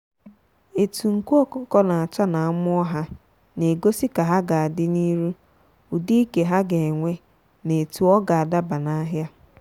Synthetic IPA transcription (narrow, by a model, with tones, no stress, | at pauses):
e˨tu˨ŋ̩˨ku˦ɔ˦kʊ˦kɔ˦na˨a˨t͡ʃa˦na˨a˦mʊ˦ɔ˦ɦa˦ | ne˨ɡo˦si˦ka˨ɦa˦ɡa˨a˨dɪ˦ni˦ɾu˦ | u˨di˦i˦ke˨ɦa˦ɡe˨ŋʷe˦ | ne˨tu˨ɔ˦ɡa˨a˨da˦ba˨na˦ɦja˦